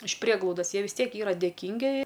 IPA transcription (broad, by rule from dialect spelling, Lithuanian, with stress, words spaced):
ɪʃ ˈpʲrʲiɛɡlˠɐʊdɐs ˈjiɛ ʋʲɪs ˈtʲiɛk ˈiːrɐ dʲeːˈkʲiːŋʲɡʲɪ